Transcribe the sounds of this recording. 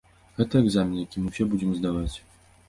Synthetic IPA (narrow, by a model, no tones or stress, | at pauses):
ɣɛt̪ɐɛɡzamʲinjakʲimɨwɕʲɛbud͡ʑʲɛmzd̪avat͡sʲ